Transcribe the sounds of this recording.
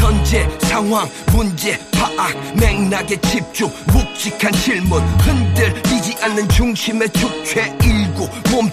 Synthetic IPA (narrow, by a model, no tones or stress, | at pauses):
ʌnd͡ʑesʰaŋɦwaŋ | mund͡ʑepaʔak̚meŋnaɡet͡ɕʰip̚t͡ɕ͈uŋmuk̚t͡ɕ͈ikʰanɕʰiɭmunhɯndɯɭmid͡ʑiʔanːɯnt͡ɕuŋɕʰime̞t͡ɕʰuk̚t͡ɕʰweiɭɡomom